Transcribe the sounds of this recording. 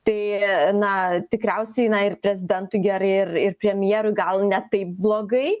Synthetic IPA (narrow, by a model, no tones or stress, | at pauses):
t̪ɐɪnɐt̪ʲɪkɾʲɛʊsʲɛɪnɐɪrpʲɾʲɛzʲɪd̪ʲɛnt̪ʊɪɡʲɛɾɐɪrɪrpʲɾʲɛmʲjiːɾʊɪɡɐlˠnʲɛt̪ɐɪp̚blˠoːɡɐɪ